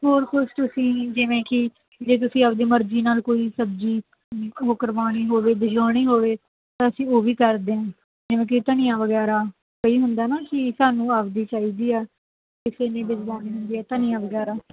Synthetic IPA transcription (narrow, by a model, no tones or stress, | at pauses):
ɦoːɾkʰʊʃt̪ʊsĩːd͡ʒɪʋẽːkɪ | d͡ʒeːt̪̬ʊsĩːəpd̪eːməɾd͡ʒiːnaːlkoːiːsəb̚d͡ʒiː | ɦokəɾʋaːɽ̃iːɦoːʋeːd̪ɪd͡ʒaːɽ̃iːɦoːʋeː | t̪ãːəsĩːoːʋiːkəɾd̪eːãː | d͡ʒɪʋẽːk̬ɪt̪ənijãːʋəɡɛːɾaː | kəiːɦʊnd̪aːnaːkɪsaːnũːaːpd̪iːt͡ʃaːiːd̪iːɛː | kɪseːnẽːbɪd͡ʒlaːniːɦʊ̃nd̪iːɛːt̪ənijãːʋəɡɛːɾaː